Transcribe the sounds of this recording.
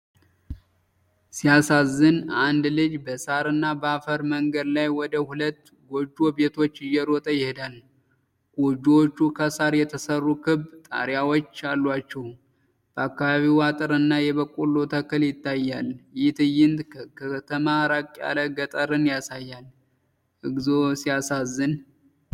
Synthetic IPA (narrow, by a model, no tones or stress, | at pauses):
sijasazːɨnand̪lɨd͡ʒbəsaɾɨnːabəafəɾməŋɡəd̪lajwɔd̪əhulət̪ː | ɡo̞d͡ʒːobe̞t̪ʰo̞t͡ʃːɪjːɛɾot̪ʼəjɪhed̪al | ɡ̥od͡ʒːot͡ʃːukʰəsaɾjɛt̪ʰəsərːukʰɨβt̪ʼa̰ɾjawot͡ʃːalːwat͡ʃːɛw | b̥əakːaβaβiwat̪ʼɨɾɨnːajɛβəkʼulːot̪ʰəkːɨljɪt̪ːajːaljɪt̪ʰɨjːɪnt̪kʰət̪ʰəmaɾakʼa̰ləɡət̪ʼəɾɨnjasajːal | ʔɨɡzosijasazːɨn